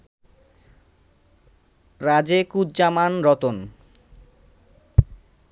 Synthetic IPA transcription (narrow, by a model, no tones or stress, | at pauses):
ɾad͡ʑekudd͡ʑamanɾɔt̪on